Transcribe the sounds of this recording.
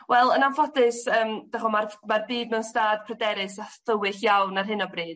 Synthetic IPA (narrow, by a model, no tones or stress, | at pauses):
wʔɛlˠənanfɔdɨsəːmd̥aχɔmarmarbiːdmɛwnstaːd̥pʰrɛdɛɾɨsaθəwɪɬjawnarɦɪnɔbriːd̥̚